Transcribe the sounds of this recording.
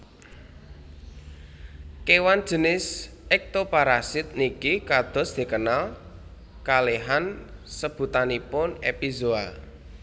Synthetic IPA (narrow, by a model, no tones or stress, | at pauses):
kewand̥ʒ̥ə̤nɪs | ɛk̚t̪opaɾasɪt̪̚nikikad̪̥ɔ̤sd̪̥e̤kənal | kaleɦansəb̥ṳt̪anipʊnepizoa